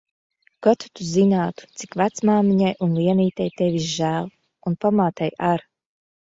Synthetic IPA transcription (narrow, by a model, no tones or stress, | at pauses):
kat̪u̥t̪uzinaːt̪u̥t̪si̥kvæt̪smaːmiɲajunliɛniːt̪ɛjt̪ɛvʲizʒæːlˠ | unpamaːt̪ɛjaɾ